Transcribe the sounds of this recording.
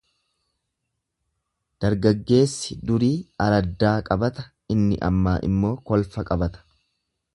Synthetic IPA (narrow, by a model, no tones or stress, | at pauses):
d̪̥ɐɾɡɐɡːe̞ːsːɪd̪ʊɾiːɐɾɐd̪ːaːkʼɐbɐt̪ɐ | ɪnːɪ̰ʔɐ̰mːaːʔɪ̰mːo̞ːkɔlfɐkʼɐbɐt̪ɐ̥